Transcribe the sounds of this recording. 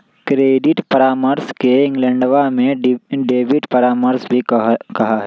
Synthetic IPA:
kɾeːɖɪʈpɐɾaːməɾskeɪ̃ŋɡlɛ̃ɳɖʋamẽɖɖeːʋɪʈpɐɾaːməɾsbʱikɐɦaɦɛː

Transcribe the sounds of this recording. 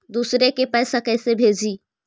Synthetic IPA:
d̪uːsɾekepɛːsakɛɪsebʱeːd͡ʒi

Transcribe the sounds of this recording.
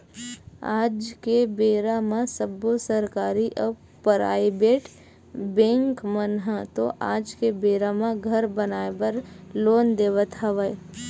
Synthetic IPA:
aːd͡ʒkebeːɾamãsəbosəɾkaːɾiʔɔ | pəɾa̰ːibeːʈ | bẽːŋkmənɦãt̪oʔaːd͡ʒkebeːɾamãɡʱɐɾbənaːebəɾloːnd̪eːʋət̪ɦɐʋəe

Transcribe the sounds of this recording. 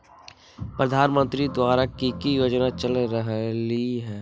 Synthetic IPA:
pɾəd̪ʱaːnmə̃nt̪ɾid̪waːɾakikijoːd͡ʒnat͡ʃəlɾəɦliɦɛː

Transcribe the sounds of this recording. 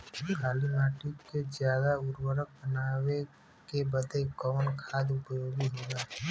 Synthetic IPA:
kʰaːlimaːʈiked͡ʒjaːd̪aʊɾwəɾək̚bənaːwe | kebəd̪ekɔːnkʰaːd̪ʊpəjoːɡiɦoːɡaː

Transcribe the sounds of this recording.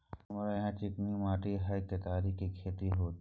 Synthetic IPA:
mɾajɦãt͡ʃɪknimaːʈiɦɐjkːet̪aːɾikikʰeːt̪iɦoːt̪

